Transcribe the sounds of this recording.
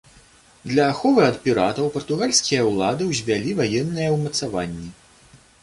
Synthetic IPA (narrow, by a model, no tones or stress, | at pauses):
d̪lʲɐːxɔvɨɐt̪pʲiɾat̪ɐwpɐrt̪uɣalʲsʲkʲijɐwlˠad̪ɨwzʲvʲalʲivajɛnːɨjɐwmɐt̪savanʲːi